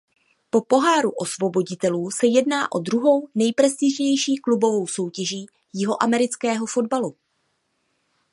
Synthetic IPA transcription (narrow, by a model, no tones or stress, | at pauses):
po̞po̞ɦaːɾuʔo̞svo̞bo̞ɟɪt̪ɛluːsɛjɛdnaːʔo̞d̪ɾuɦo̞wnɛjpɾɛst̪ɪʒɲɛjʃiːklubo̞vo̞wso̞wcɛʒiː | jɪɦo̞ʔamɛɾɪt͡skɛːɦo̞fo̞dbalu